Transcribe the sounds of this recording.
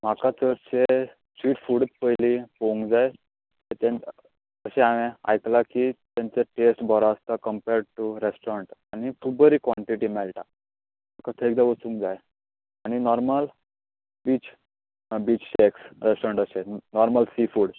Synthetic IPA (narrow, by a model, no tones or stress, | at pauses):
m̤akat͡səɾt͡ɕe | sʋiːʈfuɽət̪pəjlipoũŋɡd͡zaj̪ | et̪ãn | əɕɛ̃aʋẽa̰jklakit̪jant͡seʈesʈbʱɔɾaəst̪akəmpeɾɖʈuɾesʈəɳʈañit̪ʰubəɾikʋaɳʈiʈimɛlʈa | m̤akat̪ʰeek̚d̪aʋət͡sũŋkd͡zaj | añinɔɾməl | biːt͡ɕ | biːt͡ɕɕeksɾesʈɔɾəɳʈəɕenɔɾməlsifuːɽ